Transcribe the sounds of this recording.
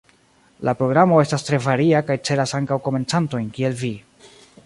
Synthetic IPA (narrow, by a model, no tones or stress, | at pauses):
lapɾo̞ɡɾamo̞e̞stastɾe̞vaɾiakajt͡se̞ɾasaŋkawko̞me̞nt͡santo̞jnkie̞lvi